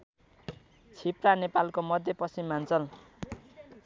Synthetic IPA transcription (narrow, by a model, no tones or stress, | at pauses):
t͡sʰipranepalkomʌd̪ʱjʌpʌsimːant͡sʌl